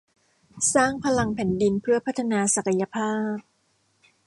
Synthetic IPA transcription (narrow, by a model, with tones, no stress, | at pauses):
saː˥˩ŋpʰa˧la˧ŋpʰɛ˨˩˦ndi˧npʰɯ˥˩ɐpʰa˦˥t̪ʰa˧naː˧sa˨˩ka˧ja˧pʰaː˥˩p̚